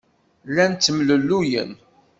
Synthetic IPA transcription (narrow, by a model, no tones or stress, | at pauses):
lːænt͡s̪ːəmləlːujə̰n